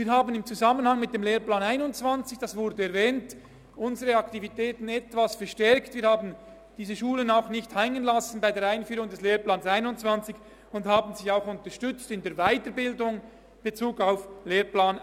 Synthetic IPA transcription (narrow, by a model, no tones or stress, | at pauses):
viːɐɾhaːbənɪmt͡suzamənhaŋmɪt̚d̥eːmleːɾplaːnaɪnʊnt͡sv̥ant͡sɪçd̥ɑsvʊɾdəɛɾvɛːnt | ʔʊnzəʁəɑktivitʰɛːtn̩ɛtv̥asfɛɾʃtɛɾktviːɾhaːbn̩ | d̥iːzəʃuːlənaʊxnɪçthɛŋənlasn̩baɪdeːɾaɪnfyːʁʊŋdɛsleːɾplaːnsaɪnʊnt͡sv̥ant͡sɪç | ʊnthaːbn̩zɪçaʊxʊntəʃtʏt͡stɪndeːɐɾvaɪtəɾbɪldʊŋ | b̥et͡suːɡaʊfleːɾplaːn